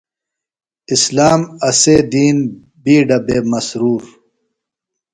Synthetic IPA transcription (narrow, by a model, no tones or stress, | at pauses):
islaːmɐseːd̪iːn | biːɖɐbeːmɐsɾuːɾ